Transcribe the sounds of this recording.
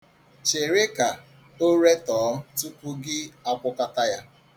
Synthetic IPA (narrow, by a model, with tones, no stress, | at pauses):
t͡ʃe˨ɾe˦ka˨ | o˦ɾe˦tɔː˨˦m̩˦tu˦kʷu˦ɡɪ˦a˦kʷʊ˦ka˦ta˦ja˦